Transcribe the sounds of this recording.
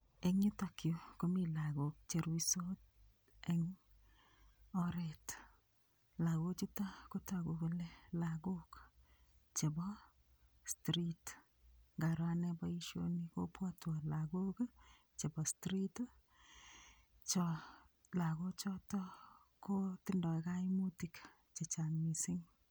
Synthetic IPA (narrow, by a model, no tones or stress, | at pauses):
eŋɲʊtakjokomilaɡok̚t͡ʃeɾwisot | ɛŋ | ɔɾɛt | laɡot͡ʃitakotaɡokolɛlaɡok | t͡ʃebɔ | stɾit | ŋɡaɾwanɛbɔiʃjo̰niko̰pwɔtwalaɡok | t͡ʃebɔstɾit | t͡ʃɔ | laɡot͡ʃɔtɔ | kotɪndɔjkaimutik | t͡ʃet͡ʃaŋmisɪŋ